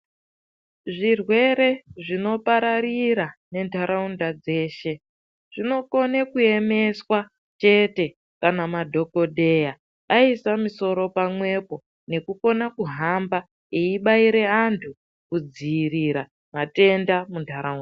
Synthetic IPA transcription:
ʐirwe̞ɾe̞ʐino̞paɾaɾiɾane̞ntʰaɾaundad͡ze̞ːʃe̞ | ʐ̥ino̞ko̞nekue̞me̞swa | t͡ʃe̞te̞ | kanamadʱo̞ko̞dʱe̞ja | aisamiso̞ɾo̞pamwe̞po̞ | ne̞kuko̞nakuɦamba | iiɓaiɾe̞antʰu | kud͡ziːriɾa | mate̞ndamuntʰaɾaunda

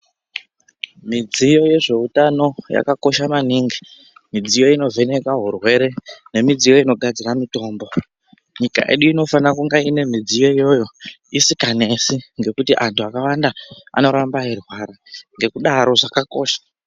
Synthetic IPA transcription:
mid͡zijo̞je̞ʐe̞utano̞ja̰kako̞ʃamaniːŋɡi | mid͡zijo̞ino̞vʱe̞ne̞kaɦurwe̞ɾe̞ne̞mid͡zijo̞ino̞ɡʱad͡ziramito̞ːmbo̞ | ɲika̰ʔe̞̰ɗuino̞fanakuŋɡaine̞mid͡zijo̞ijo̞jo̞ | isikane̞siŋɡe̞kutiʔantuakawandaa̰no̞ɾambaerwaːɾaŋɡe̞kuɗaɾo̞ʐakako̞ːʃḁ

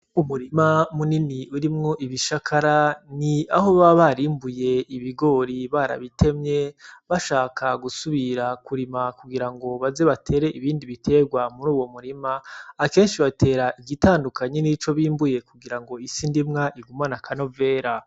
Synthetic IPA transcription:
umuɾimamuniniuɾimŋo̞ʔiβiʃakʰaɾaniaɦo̞βaβaɾimbuje̞iβiɡo̞ɾiβaɾa̰βite̞mɲe̞βaʃaːkʰaɡusuβiɾakuɾimakuɡiɾaŋɡo̞βaze̞βatʰe̞ːɾe̞ʔiβiːndiβitʰe̞ːɡwamuɾuːwo̞muɾimaːke̞ːnʃiβatʰe̞ːɾaʔiɡitaːndukaɲenit͡ʃo̞βiːmbuje̞kuɡiɾaŋɡo̞isindimŋaʔiɡumanakʰano̞ve̞ːɾa

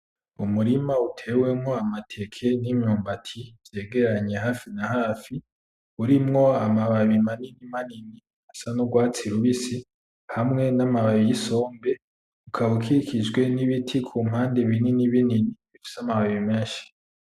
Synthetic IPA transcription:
umuɾimautʰe̞ːwe̞mŋo̞amatʰe̞kʰe̞nimɲuːmbatʰiv̥je̞ːɡe̞ɾaɲe̞ɦaːfinahaːfi | uɾimŋo̞amaβaβimaninimanini | hasanoɡwaːt͡siɾuβisi | hamŋe̞namaβaβijiso̞ːmbe̞ | ukʰaβukʰiikid͡ʒɡwe̞niβitʰikʰuːm̥haːnde̞βininiβininiβifi̥samaβaβimeːʃi̥

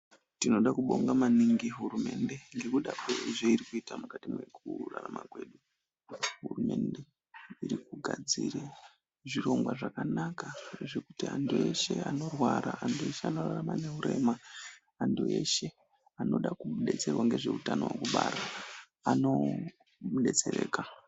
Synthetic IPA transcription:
tino̞ɗakuɓo̞ŋɡamaniŋɡiɦuɾume̞nde̞ŋɡe̞kuɗakweʐeiɾikuitamukatimwe̞kuraramakwe̞ɗu | ɦurume̞nde̞ | iɾikuɡʱad͡zire | ʐiro̞mɡwaʐakanakaneʐekutianduje̞ʃe̞ano̞rwaɾaːndʰue̞ʃeano̞raramane̞ɦuɾe̞ːmaː | ndue̞ʃe̞ | ano̞ɗakuɓuɗe̞t͡se̞rwaŋɡe̞ʐe̞utano̞̰wekuɓaːɾa | ano̞ | ɓuɗe̞t͡sere̞ːka

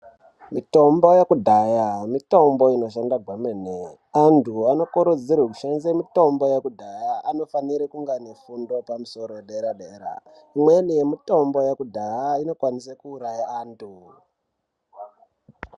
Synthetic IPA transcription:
mito̞mbo̞jekudʱajamito̞mbo̞ino̞ʃandaɡʱwamene | antuano̞koɾud͡zirwek̬uʃanzemito̞mbo̞jekudʱajaʔano̞faniɾekuŋɡanofundo̞pamuso̞ɾo̞jeɗeɾaɗeːɾa̰ | imwenijemito̞mbo̞jekudʱajaino̞kwanisakuːɾajaaːntʰu

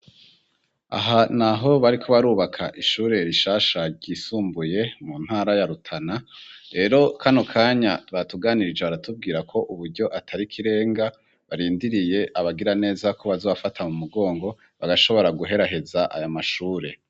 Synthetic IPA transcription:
a̰ɦanaɦo̞βaɾikʰo̞βaɾuːβakʰaʔiʃuːɾe̞ɾiʃaːʃaɾɟisuːmbuje̞mun̥haːɾajaɾutʰanaɾe̞ːɾo̞kʰanokʰaːɲatβatuɡaːniɾid͡ʒeβaɾatub̚ɡiːɾakʰo̞ʔuβuɾɟo̞ʔatʰaɾikʰiɾe̞ːŋɡa | βaɾiːndiɾije̞ʔaβaɡiɾane̞ːzako̞βazoːβafatʰamumuɡo̞ːŋɡo̞ | βaɡaʃo̞βo̞ɾaɡuɦe̞ɾaɦe̞zaʔa̰jomaʃuːɾe̞

